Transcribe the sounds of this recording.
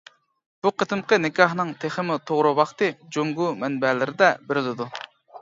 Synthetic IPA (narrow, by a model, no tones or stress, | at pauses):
b̥uqʰət̪ʰɨmqənɪkʲʰɑhnɨŋt̪ʰeχəmut̪ʰoʁɾuwɑχt̪ɨd͡ʒoŋɡumɛnbɛlɪɾɪd̪ɛbeɾɪlɪd̪u